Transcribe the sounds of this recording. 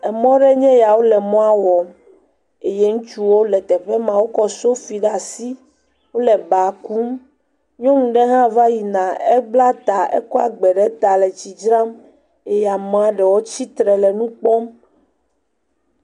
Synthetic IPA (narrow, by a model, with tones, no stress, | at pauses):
ɛ˨mɔ̃˦ɖɛ˦ɲɛ̃˦ja˨wo˦lɛ˨mɔ̃˦a˦wɔ˨m | e˨je˦ŋũ˦t͡ʃu˦wo˦lɛ˨t̪ɛ˨ɸɛ˦mã˨wo˦kɔ˦so˦fi˨ɖa˨si˦ | wo˦lɛ˨ba˨ku˦m | ɲɔ̃˦ŋũ˨ɖɛ˦ɦã˦va˦ji˨nã˨e˦ɡ͡bla˦t̪a˨ḛ˦kɔ˦a̰˨ɡ͡bɛ˨ɖɛ˦t̪a˨lɛ˨t͡ɕi˨d͡ʒɾã˦m | e˨ja˨mɔ̃˦a˨ɖɛ˨wo˦t͡ɕi˦t̪ɾɛ˨lɛ˨nũ˦k͡pɔ˦m